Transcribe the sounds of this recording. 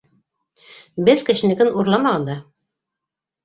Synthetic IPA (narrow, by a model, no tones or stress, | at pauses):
bɘðkɘ̆ʃɘ̆nɘ̆kɘnuɾlˠɑmɑʁɑnd̪ɑ